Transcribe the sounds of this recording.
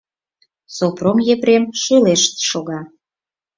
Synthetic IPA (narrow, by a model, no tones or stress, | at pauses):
sopromjepɾemʃuleʃt̪ʃoɣɑ